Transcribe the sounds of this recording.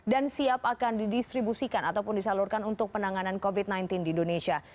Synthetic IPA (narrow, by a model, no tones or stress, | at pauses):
dansiapakandidist̪ɾibusikanat̪awpʊndisalurkanunt̪ʊk̚pənaŋanankovit̪̚najnt̪ɪndiːndonesia